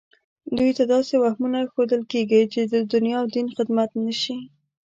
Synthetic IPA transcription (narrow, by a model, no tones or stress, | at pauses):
d̪ujt̪ad̪ɑsewahmunaxod̪əlkeɡijt͡ʃed̪əd̪ʊnjɑwd̪inxɪd̪mat̪nəʃi